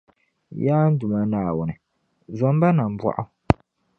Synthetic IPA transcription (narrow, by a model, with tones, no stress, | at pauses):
jaː˦n̩˦dʊ˨ma˦naː˨wʊ˨nɨ˨ | zɔ˨m˦ba˦na˨m˨bwa̰˦˨ʔʊ˦